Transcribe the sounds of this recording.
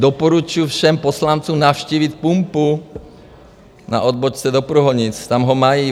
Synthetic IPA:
d̪ɔpɔɾut͡ʃʊjufʃɛmpɔslant͡sumnaʊʃciːʋic̪pumpu | na̰ʔɔd̪̚bɔt͡ʃt͡sɛd̪ɔpɾuɦɔɲit͡st̪amɦɔmajiː

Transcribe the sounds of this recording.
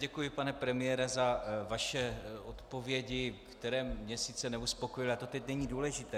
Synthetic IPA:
ɟɛkujɪpanɛpɾɛmɪjɛɾɛzavaʃɛot̪po̞vjɛɟɪktt̪ɛɾɛːmːɲɛsɪt͡sɛnɛuspo̞kojɪlat̪o̞t̪ɛcnɛɲiːduːlɛʒɪt̪ɛː

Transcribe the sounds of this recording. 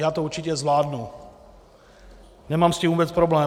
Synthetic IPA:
jaːt̪ouɾt͡ʃɪcɛzvlaːdnu | nɛmaːmscimuːbɛt͡spɾoblɛː

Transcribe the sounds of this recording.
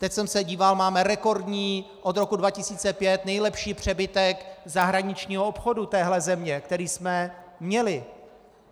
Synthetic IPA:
t̪ɛcsɛmsɛɟiːvalmaːmɛɾɛko̞ɾdɲiː | ʔod̪ɾo̞kudvacɪsiːt͡sɛpjɛt̪nɛjlɛpʃiːpr̝̥ɛbɪt̪ɛkzaɦɾaɲɪt͡ʃɲiːɦoopxo̞dut̪ɛːɦlɛzɛmɲɛk̚t̪ɛɾiːsmɛmɲɛlɪ

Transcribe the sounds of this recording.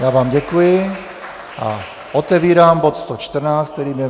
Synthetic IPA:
jaʋaːmɟɛkujɪ | ʔa̰ | ɔt̪ɛʋiːɾaːmbɔt̪st̪ɔt͡ʃt̪r̩naːsk̚t̪ɛɾiːmɲɛ

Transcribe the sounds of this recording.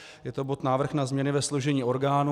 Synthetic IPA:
jɛt̪o̞bo̞t̪naːvr̩xnazmɲɛnɪvɛsloʒɛɲiːʔo̞ɾɡaːnu

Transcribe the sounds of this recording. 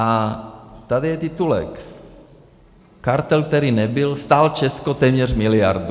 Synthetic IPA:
a | t̪ad̪ijɛt̪it̪ulɛ̰k | kaɾt̪ɛlk̚t̪ɛɾiːnɛbilst̪aːlt͡ʃɛskɔt̪ɛːmɲɛrmilia̰ɾd̪u

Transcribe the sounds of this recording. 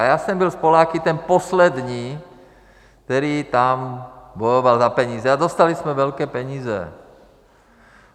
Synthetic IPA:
jasɛmbilspɔlaːkit̪ɛnpɔslɛd̪ɲiː | kk̚t̪ɛɾiːt̪ambɔjɔʋalzapɛɲiːzɛad̪ɔst̪alismɛʋɛlkɛːpɛɲiːzɛ̰

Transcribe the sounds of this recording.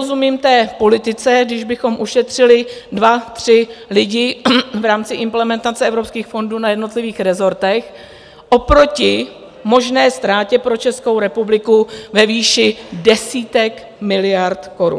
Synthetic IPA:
ozumiːmft̪ɛːpo̞lɪt̪ɪt͡sɛɡdɪʒbɪxo̞mʔuʃɛt̪r̝̥ɪlɪdvat̪r̥ɪlɪɟɪvɾaːmt͡sɪʔɪmplɛmɛnt̪at͡sɛɛvɾopskiːxfo̞nduːnajɛdno̞t̪lɪviːxɾɛzo̞ɾt̪ɛx | ʔo̞pɾo̞cɪ | mo̞ʒnɛːst̪ɾaːcɛpɾo̞t͡ʃɛskowɾɛpublɪkuvɛviːʃɪdɛsiːt̪ɛk | mɪlɪjaɾt̪ko̞ɾṵn

